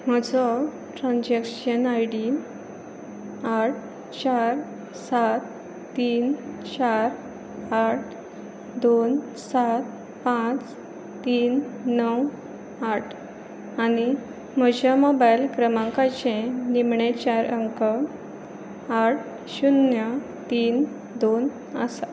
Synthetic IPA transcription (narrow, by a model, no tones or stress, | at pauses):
m̤əd͡zɔ | ʈɾãnd͡ʑekɕənajɽi | aʈ̚ʰ | t͡ɕaɾ | sat̪ː | iːnt͡ɕaɾ | aʈʰ | d̪on | sat̪̚ | pãt͡s | t̪iːnːəw | aʈʰ | ani | m̤əd͡ʑamɔbajlkɾəmãŋkat͡ɕẽnimɳet͡ɕaɾʔəŋkə | aʈ̚ʰ | ɕunjə | t̪iːn | d̪on | əsa